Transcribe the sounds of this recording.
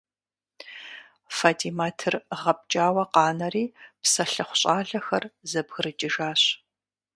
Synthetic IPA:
fatʰimaːtʰɨrʁɐp̚t͡ʃʼaːwɐqɑːnɐriːpsɐɬɨχʷʊ̥ɕʼaːɮɐxɐrzɐbɣɨrɨt͡ʃʼɪʒaːɕ

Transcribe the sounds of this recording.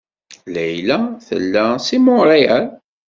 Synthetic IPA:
læjlæθə̰lːæsimoɾˤiæl

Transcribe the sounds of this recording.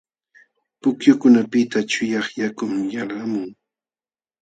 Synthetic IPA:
pʊkjʊkʊnapɪt̪at͡ʃʊjɑχjakʊmjalamʊŋ

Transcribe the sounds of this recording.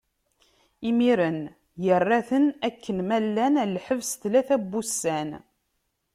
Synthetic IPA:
imiɾən | jərːæθənækːənmælːænælħəvsθlæθæbːusæn

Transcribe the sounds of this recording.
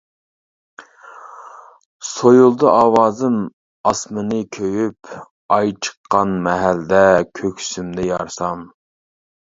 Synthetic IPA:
sojulˠd̪ɨʔɑːwɑːzɨm | ɑsmɨnɨkʲʰøjyp | ɑjt͡ʃʰə̥qʰːɑnmɛɦæld̪ɛkʲʰøkʲsymd̪ɛjɑɾsɑm

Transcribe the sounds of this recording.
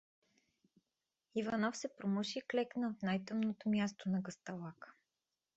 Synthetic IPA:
ivanɔfsɛpɾomɤʃiːklɛknəot̪najt̪ɤmnot̪omʲjast̪onɐɡəst̪ɐlˠakə̥

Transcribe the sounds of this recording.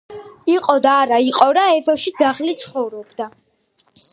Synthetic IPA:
iqʼɔd̪aːɾaiqʼɔɾaɛθɔʃid̪zaχlit̪sʰχɔvɾɔbd̪a

